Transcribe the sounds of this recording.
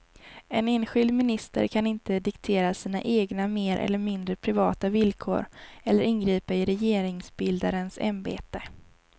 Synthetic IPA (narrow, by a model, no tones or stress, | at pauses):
ɛneːnɧɪld̪mɪnɪst̪ə̰ɾkʰanɪnt̪əd̪ɪkt̪ʰeːɾasiːna̰ʔeːɡnameːɾʔɛ̰lːəɾmɪnd̪ɾəpʰɾɪvɑ̰ːt̪avɪlkʰo̰ːɾɛlːəɾʔɪnɡɾiːpaɪɾɛjeːɾɪŋsbɪld̪aɾənsa̰mbḛːt̪ə